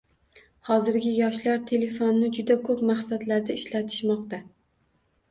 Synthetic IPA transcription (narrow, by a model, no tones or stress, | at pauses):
hɒzɪɾɡʲɪjɒʃlaɾt̪ʰe̞le̞fonːɪd͡ʒʊd̪akʰɵpmaχsad̪laɾd̪aɪʃlat̪ʰɪ̥ʃmɒqt̪a